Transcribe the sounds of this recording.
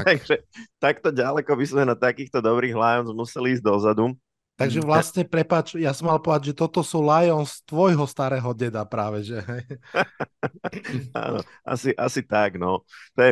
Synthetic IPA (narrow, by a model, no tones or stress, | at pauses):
t̪aɡʒɛt̪akt̪ɔɟalɛkɔbizmɛnat̪akiːxt̪ɔd̪ɔbɾiːɣlajɔnzmusɛliːzɟd̪ɔzad̪u | t̪aɡʒɛʋlasɲɛpɾɛpat͡ʃjasɔmalpɔɛd̪aɟʒɛt̪ɔt̪ɔsuːlajɔnst̪ʋɔjɦɔst̪aɾɛːɦɔɟɛd̪apɾaːʋɛʒɛɦɛj | a̰nɔ̰ | ʔa̰siʔa̰sit̪aɡnɔt̪ɔjɛ